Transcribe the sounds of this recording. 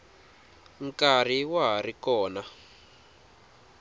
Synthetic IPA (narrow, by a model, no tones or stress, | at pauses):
ŋkar̤iwaɦarikɔːna